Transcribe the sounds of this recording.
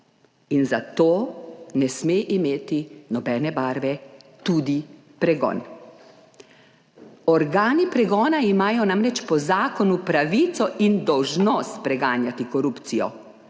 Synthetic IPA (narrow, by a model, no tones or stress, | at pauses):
inzat̪oːnɛsmeːʔimeːt̪inɔbɛːnɛbaːɾʋɛt̪uːd̪i | pɾɛɡɔ̰ːn | ɔɾɡaːnipɾɛɡɔːnaimaːjɔnamɾɛt͡ʃpɔzaːkɔnupɾaʋiːt̪sɔʔind̪ɔwʒnɔst̪̚pɾɛɡaːnjat̪ikɔɾupt̪sijɔ̰